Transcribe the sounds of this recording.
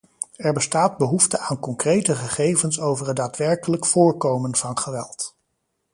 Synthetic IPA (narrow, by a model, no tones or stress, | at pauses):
ɛɹbəstaːd̚bəɦuftəʔaːnkɔŋkrejtəχəχejvənsowvərədaːtʋɛɹkələkfʊːɹkowmənv̥ɑnχəʋɛ̰lˠt